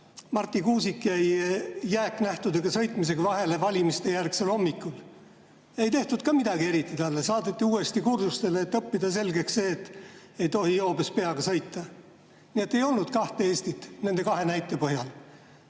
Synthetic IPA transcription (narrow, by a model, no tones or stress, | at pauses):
mɑrt̪ˑːikuːsikjæjːæːkːˑnæht̪ud̪eɡ̥ɑsɤ̞jt̪ˑmis̬e̞ɡɑvɑɦe̞le̞vɑlʲimist̪e̞jærkse̞lho̞mːikːˑul | e̞jt̪e̞ht̪ud̪̥̚kɑmid̪̥ɑɡie̞ɾit̪ːˑit̪ɑlːesɑːd̪et̪ːiuːe̞st̪ikursust̪e̞leːt̪ːɤpːid̪̥ɑse̞lɡe̞ksse̞ːt̪ː | ejt̪o̞hijo̞ːbespe̞ɑɡ̥ɑsɤjt̪ːˑɑ | nie̞t̪ːe̞jo̞lnud̪̥̚kɑht̪ee̞ːst̪it̪ːˑne̞nd̪e̞kɑɦe̞næjt̪ːˑe̞pɤɦjɑl